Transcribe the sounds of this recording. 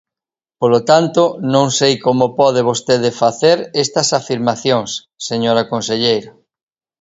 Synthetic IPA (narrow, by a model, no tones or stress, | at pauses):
polot̪ant̪onõŋsejkomopɔð̞eβ̞ost̪eðefaθeɾɛst̪ɐsafiɾmaθjõŋsːeɲoɾakõnseʎejɾa